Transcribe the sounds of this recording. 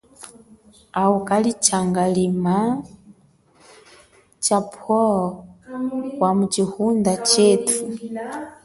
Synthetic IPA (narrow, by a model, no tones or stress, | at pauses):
aukalit͡ʃaŋɡalima | t͡ʃapʰɔ | wamut͡ʃihundat͡ʃɛtʰu